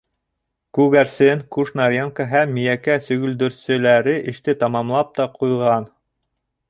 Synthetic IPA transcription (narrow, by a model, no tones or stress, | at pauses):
kʉɣæɾsɘŋkuʃnɑɾʲaŋkəɦæmːijækæsɵ̆ɡɵ̆ld̪ɵ̆ɾsɘ̆læɾɘʔɘ̆ʃt̪ɘt̪ɑmɑmlˠɑp̚t̪ɑqujʁɑn